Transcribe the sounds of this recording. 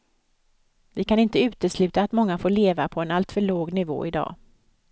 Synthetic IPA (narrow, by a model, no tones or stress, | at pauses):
vɪkʰanɪnt̪əʉ̟ːt̪əslʉ̟ːt̪aːt̪mɔŋːafoːɭeːvapʰɔɛnalt̪fœɭoːɡnɪvo̰ːɪd̪ɑ̰ː